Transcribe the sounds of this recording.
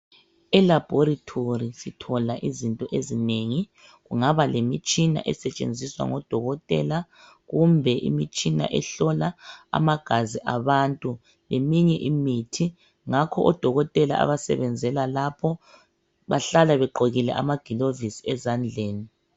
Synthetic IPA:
ɛlab̥ʱɔɾitʰorisitʰɔlaʔizintʼɔʔezineŋi | ɣuŋaβalemit͡ʃʼina̰ʔɛsɛt͡ʃʼḛnd͡zʱiswa̰ŋɔd̥ʱɔɣɔtʼɛ̰la | ɣumbʱɛʔḭmit͡ʃʼina̰ʔɛɬɔlaa̰maɡ̥ʱaziʔaβantʼu | lemiɲɛʔimitʰi | ŋakʰɔʔɔd̥ʱɔɣɔtʼɛla̰a̰βasɛ̰βɛnd͡zʱɛlalapʰɔ | βa̰ɬalaβɛǃʱoɣilɛ̰ʔa̰maɡ̥ʱilovisiɛzand͡ɮʱeːni

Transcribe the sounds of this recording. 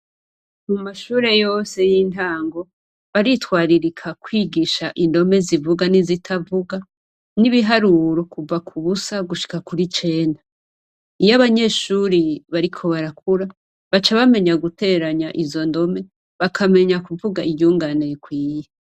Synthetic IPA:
mumaʃuːɾe̞jo̞ːse̞jintaːŋɡo̞ | βaɾitkwaːɾiɾikʰakwiːɡiʃaʔindo̞me̞zivuɡanizitʰavuɡa | niβiɦaɾuɾokuvakʰuβusaɡuʃi̥kakuɾit͡ʃe̞ːnda | ijaβaɲe̞ʃuːɾiβaɾikʰo̞βaɾak̚ʰuɾa | βat͡ʃaβame̞ɲaɡute̞ːɾaɲaʔizo̞ndo̞me̞ | βakʰame̞ɲakuvuɡaijuːŋɡanejekwiːje

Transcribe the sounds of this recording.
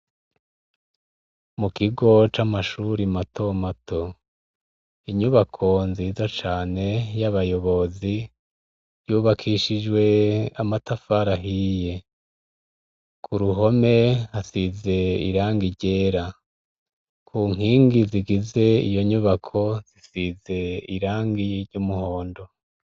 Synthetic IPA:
mukiɡo̞t͡ʃamaʃuɾimato̞matʰo̞ | iɲuβakʰo̞nziːzat͡ʃaːne̞jaβajo̞βo̞zi | ɾjuːβakʰiʃid͡ʒwe̞amatafaɾaɦije̞ | kʰuɾuɦo̞me̞hasize̞ḭɾaːŋɡiɾɟe̞ːɾa | kʰuːŋ̥hiːŋɡiziɡize̞ḭjo̞ɲuβakʰo̞z̥isize̞iɾaːŋɡiɾɟumuho̞ːndo̞

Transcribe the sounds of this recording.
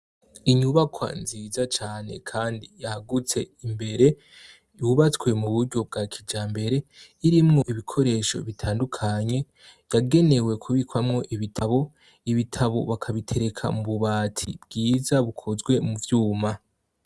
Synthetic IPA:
iɲuβakʰwa̰nziːzat͡ʃaːne̞̰kʰaːndijahaɡut͡se̞imbe̞ɾe̞ | juβat͡swe̞muβuɾɟo̞b̚ɡakʰid͡ʒaːmbe̞ɾe̞iɾimŋo̞ʔiβikʰo̞ɾe̞ːʃo̞̰βitʰaːndukʰaɲe̞ | jaɡe̞ne̞we̞kʰuβikwamŋo̞ʔiβitʰaβo̞ | iβitʰaβo̞̰βakʰaβitʰe̞ɾe̞kʰa̰muβuβaːtʰḭbɡiːzaβukʰozɡwe̞muvjuːma

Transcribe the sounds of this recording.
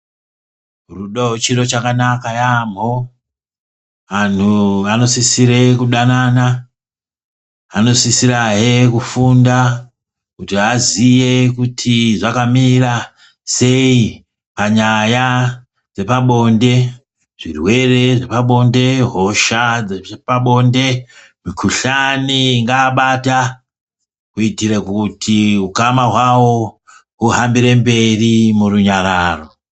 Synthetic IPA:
ruɗoot͡ʃiro̞t͡ʃakanakajam̤o | ʋan̤uano̞sisiɾekuɗanana | no̞sisiɾaɦekufunda | kutiɦazije̞kutʰiʐakamira | se̞i | paɲaja | d͡ze̞paɓo̞nde̞ | ʐ̥irwe̞re̞ʐe̞paɓo̞nde̞ɦo̞ʃad͡zepaɓo̞nde̞ | mikʰuɬaniŋɡaːɓata | kuitirekutʰiukamaɦwawo̞ | ɦuɦambiɾe̞mbe̞rimuruɲaɾaːro̞

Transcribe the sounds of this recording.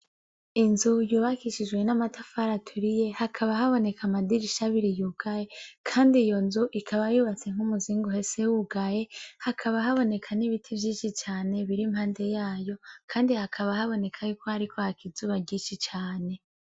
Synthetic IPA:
inzujuːβakiʃid͡ʒwe̞namatafaɾatʰuɾije̞hakʰaβaɦaβo̞ne̞kʰamadiɾiʃaβiɾijuːɡajekʰaːndiːjo̞nzuʔikʰaβajuːβat͡se̞ŋ̥humuziːŋɡuɦe̞se̞wuɡaje̞hakʰaβaɦaβo̞ne̞kʰaniβitʰivjiːnʃit͡ʃaːne̞βiɾimhaːnde̞jaːjo̞kʰaːndihakʰaβahaβo̞ne̞kʰajuːkohaɾikʰohakizuːβaɟiːnʃit͡ʃaːne̞

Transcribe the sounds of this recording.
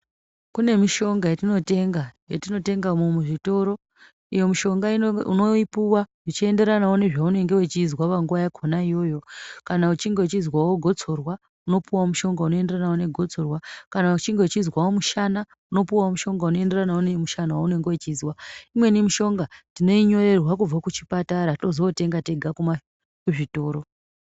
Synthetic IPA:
kune̞miʃo̞ŋɡajetino̞te̞ŋɡajotino̞te̞ŋɡamumuʐito̞ɾo̞ | ijo̞miʃo̞ŋɡaiuno̞ipuwaʐit͡ʃie̞nde̞ɾanaune̞ʐaune̞ŋɡe̞wet͡ʃizwaʋaŋɡuʋajakʰonaijo̞ːjo̞kanaut͡ʃiŋɡewet͡ʃizwawoɡʱo̞t͡so̞rwa | uno̞puwamuʃo̞ŋɡauno̞e̞nde̞ranaoneɡʱo̞t͡so̞rwakanaut͡ʃiŋɡewt͡ʃizwaomuʃana | uno̞puwaomuʃo̞ŋɡauno̞e̞nde̞ranaonemuʃanawaune̞ŋɡewet͡ʃizwaimwe̞nemiʃo̞ŋɡatino̞iɲo̞re̞rwak̬ub͡vakut͡ʃi̥pataɾato̞zoːte̞ŋɡate̞ɡʱakuma | kuʐito̞ːɾo̞

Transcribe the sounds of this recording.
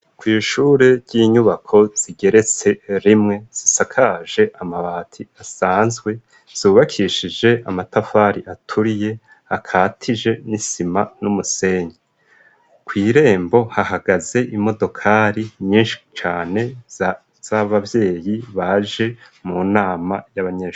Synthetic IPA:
kwiːʃuːɾe̞ɾɟiːɲuβakʰo̞z̥iɡe̞ɾe̞t͡se̞ɾimŋe̞z̥isakʰaʒe̞ʔamaβaːtʰiasaːnzɡwe̞ | z̥uːβakʰiʃid͡ʒe̞amatafaːɾiʔatʰuɾije̞ | hakʰaːtʰid͡ʒe̞nisimanumuse̞ːɲi | kwiːɾe̞ːmbo̞hahaɡaze̞ʔimo̞do̞kʰaɾiɲiːnʃi̥t͡ʃaːne̞ | z̥aβavje̞ːjiβaʒe̞ | munaːmajaβaɲe

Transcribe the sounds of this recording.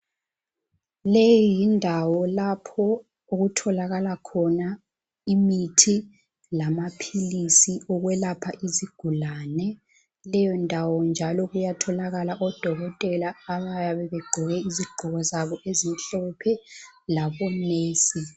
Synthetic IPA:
lejɔindʱawɔlapʰɔ | uɣutʰɔlaɣalakʰɔna | imitʰi | lamapʰilisiɔɣwɛlapʰaʔiziɡ̥ʱulaːnɛ | lɛjɔndʱawɔnd͡ʒʱalɔɣujatʰɔlaɣalaʔɔd̥ʱɔɣɔtʼɛlaːβajaβɛβeɡ͡ǃʱiɣɛiziɡ͡ǃʱuɣɔzaβɔʔezinɬɔpʰɛlaβɔneːsi

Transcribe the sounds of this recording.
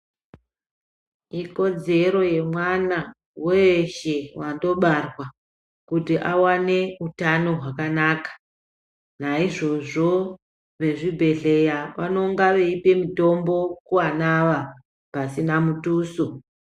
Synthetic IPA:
iko̞d͡ze̞ɾo̞je̞mwana | weʃe̞wando̞ɓarwa | kutiʔawane̞utano̞ɦwakanaːkḁ | naiʐo̞ʐo̞ | ʋe̞ʐibʱe̞ɮe̞jaʋano̞ŋɡaʋeipe̞mito̞mbo̞kuwanaʋa | pasinamutuːso

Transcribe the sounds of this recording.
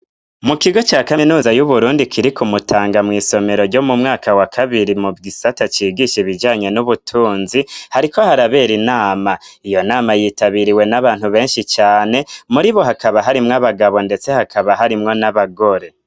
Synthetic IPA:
mukiɡo̞t͡ʃaːkainuːzajuβuɾuːndikʰiɾikumutʰaːŋɡamŋiːso̞meɾo̞ɾɟo̞mumŋaːkʰawakʰaβiɾimuvɡisatat͡ʃiːɡiʃiβid͡ʒaːɲe̞nuβutʰuːnzihaɾikʰo̞haɾaβe̞ɾinaːmaijo̞naːmajiːtaβiɾiwe̞naβaːn̥huβe̞ːnʃit͡ʃaːne̞muɾiβo̞ɦakaβaɦaɾimŋaβaɡaβo̞nde̞t͡se̞hakʰaβaɦaɾimŋo̞naβaɡo̞ɾe̞

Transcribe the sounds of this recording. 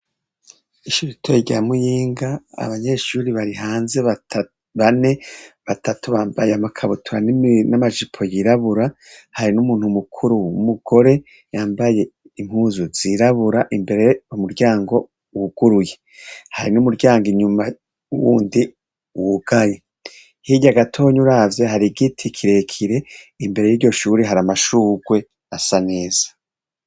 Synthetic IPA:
iʃuɾiitʰeɟamujiːŋɡaa̰βaɲe̞ːʃuːɾiβaɾiɦaːnze̞ | βane̞βatatuβaːmbajeamakʰaβutʰuɾaninamaʒipʰo̞jiɾaβuɾahaɾinumuːn̥humukʰuɾuumuɡ̥o̞ɾe̞ | jaːmbaje̞ | im̥huzuz̥iɾaβuɾaʔimbe̞ɾejomuɾɟaːŋɡo̞ | wuɡ̥uɾuje̞ | haɾinumuɾɟaːŋɡiɲuma | uwuːndi | wuɡ̥aje | hiɟaɡatʰo̞ːɲuɾavjeɦaɾiɡitʰikʰiɾe̞kʰiɾe̞imbe̞ɾe̞jiːɾɟo̞ʃuːɾiɦaɾamaʃuːɡwe̞ | asane̞ːz̥ḁ

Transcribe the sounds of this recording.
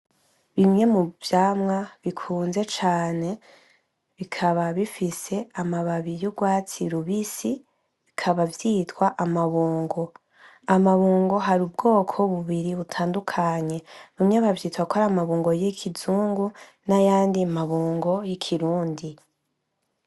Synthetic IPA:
βimɲe̞muv̥jaːmŋaβikʰuːnze̞t͡ʃaːne̞ | βikʰaβaβifise̞amaβaβijubɡwaːt͡siɾuβisi | βikʰaβavjiːtwaʔamaβuːŋɡo̞ | amaβuːŋɡo̞ɦaɾub̚ɡo̞ːkʰo̞βuβiɾiβutʰaːndukʰaɲe̞βimɲeβavjiːtwakʰoɾamaβuːŋɡo̞jekʰizuːŋɡu | najaːndiamaβuːŋɡo̞jikʰiɾuːndi

